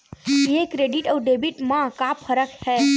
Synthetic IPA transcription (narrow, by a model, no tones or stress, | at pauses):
jekɾeɖiʈəwɖebiʈmãkapʰːəɾəkhɛ